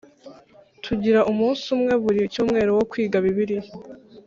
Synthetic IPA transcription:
tʰuɟiɾaʔumuːnsumŋe̞βuɾiucuːmŋe̞ːɾowo̞kwiːɡaβiβiɾij

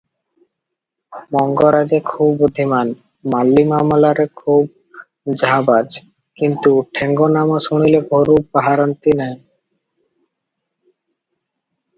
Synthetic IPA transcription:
mɔŋɡoɾad͡ʑekʰubod̪ʱiman | malːimamlaɾekʰub̚ | d͡ʑʱabad͡ʑ | kint̪uʈʰeŋɡonamaʃuɽ̃ilebʱoɾubaɦaɾant̪inɛe

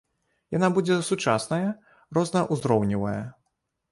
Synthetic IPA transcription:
jan̪abud͡zʲɛsut͡ʂasnɐjɐ | rɔznɐʔuzɾɔwnʲivɐjɐ̰

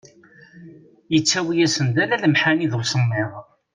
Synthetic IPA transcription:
jət͡sːæwijæsənd̪ælæləmħaniðwsəmːiʁ

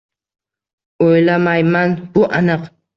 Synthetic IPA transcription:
ojlamajmanbʊʔanɨq

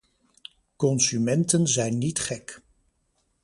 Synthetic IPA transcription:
kɔnsymɛntənzɛjnːitχɛk

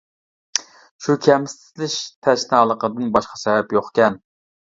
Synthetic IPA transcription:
ʃukʲʰɛmsɪ̥t̪lɪʃt̪ʰɛʃnɨɑlˠəqəd̪ɨnbɑʃqɑ̥sɛbɛpjoχkʲɛn

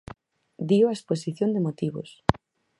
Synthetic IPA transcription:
d̪iwaesposiθjõnd̪emot̪iβo̰s

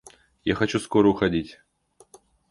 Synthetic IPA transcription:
ja̰xɐt͡ɕuskoɾəuxɐdʲitʲ

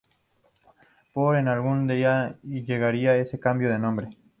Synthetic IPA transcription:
poɾenalɣund̪iaiʎeɣaɾiae̞sekambjo̞ðenõmbɾe

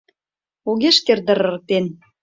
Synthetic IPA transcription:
oɣeʃkerd̪ə̆ɾɤ̆rk̚t̪en

